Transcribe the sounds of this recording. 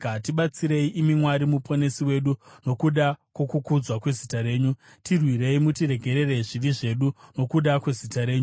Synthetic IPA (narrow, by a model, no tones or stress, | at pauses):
atiɓat͡siɾe̞iʔimimwaɾimupʰo̞ne̞siwe̞ɗuno̞kuɗakwokukud͡zwakwe̞zitaɾe̞ːɲu | tirwire̞imutire̞ɡʱe̞ɾe̞reʐiʋiʐe̞ɗuno̞kuɗakwe̞zitaɾe̞ːɲu